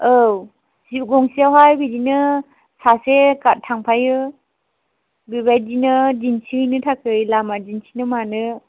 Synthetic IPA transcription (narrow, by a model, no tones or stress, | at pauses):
ow | siɡɔŋsiawɦajbidinɯ | sasekat̚tʰaŋpʰajɯ | bibajdinɯd͡ʒinsʰinɯtʰakʰɯjlamad͡ʒinsʰinɯmanɯ